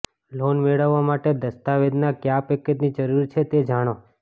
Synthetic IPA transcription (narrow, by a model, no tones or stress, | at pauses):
lonmeɭəʋːamaʈed̪əst̪aʋed̪nakjapekːet̪nid͡ʒəɾuɾt͡ʃʰet̪ed͡ʒaɽ̃o